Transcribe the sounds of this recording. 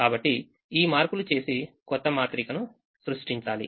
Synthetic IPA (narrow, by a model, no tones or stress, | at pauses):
kaːbɐʈːi | iːmaːɾkulut͡ʃe̞ːsi | kɔt̪ːɐmaːt̪ɾikɐnu | sɾuʂʈiɲt͡ʃaːlḭ